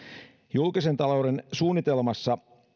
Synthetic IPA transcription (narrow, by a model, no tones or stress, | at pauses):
julkise̞nt̪ɑlowde̞nsuːnːit̪e̞lmɑsːɑ